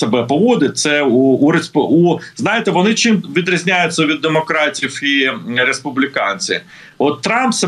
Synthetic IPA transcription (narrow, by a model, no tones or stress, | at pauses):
sebɛpɔʋɔd̪ɪt̚ʲt̪sɛuːɾesuznɑjɪt̪ɛʋɔnɪt͡ʃimʋʲid̪ɾʲɐzʲnʲajʊt͡sʲːɐʋʲid̪ːemɔkɾɑtʲiwiɾespʊblʲɪkɑnʲt͡sʲḭ | ɔt̪ːɾɑmpsɐ